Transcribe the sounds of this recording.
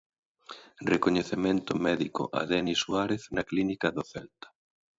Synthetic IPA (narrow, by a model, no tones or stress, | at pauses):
rekoɲeθemẽnt̪ʊmɛðiko̰ʔa̰ðɛnisuaɾeθnɐklinikaðoθɛlt̪ḁ